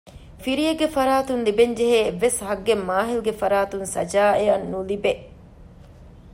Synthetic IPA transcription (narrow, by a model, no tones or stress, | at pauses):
fiɾijeɡːefɐɾaːt̪unlibeɲd͡ʒeɦeːʋːeshɐɡːemːaːɦiluɡefɐɾaːt̪unsɐd͡ʒaːeɐnːulibe